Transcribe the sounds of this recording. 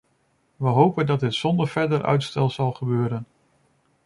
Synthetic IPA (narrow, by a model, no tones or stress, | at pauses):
ʋəɦowpəndɑd̚dɪtsɔndəɹvɛɹdəɹʔœ̰ɥtstɛlˠzɑlˠχəbøːɾən